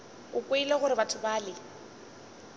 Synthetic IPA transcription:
ʊkʼweilɛɣʊɾɪbatʰʊbaːlɪ

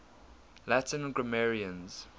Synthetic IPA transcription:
latə̃nɡɹamɛɹiə̃nz̥

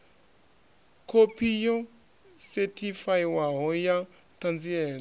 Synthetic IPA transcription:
kʰopʰijɔ | sɛtʰifaiwaɦɔja | t̪ʰand͡ziɛːɺa

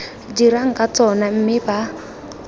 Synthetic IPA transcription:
d͡ʒiɾaŋ̩kat͡sɔnam̩mɪba

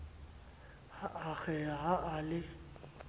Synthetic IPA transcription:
haʔaɣɛaɦaʔalɪ

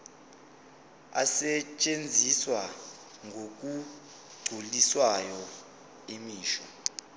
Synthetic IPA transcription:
a̰sɛt͡ʃʼend͡zʱiswa | ŋɡʱok̬ʼu | ɡ͡ǀʱuliswajɔ | imiːʃɔ̰

